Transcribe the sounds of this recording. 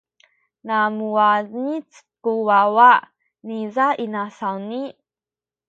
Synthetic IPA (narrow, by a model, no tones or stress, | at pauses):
namuanit͡s | kuwawa | nizainasawni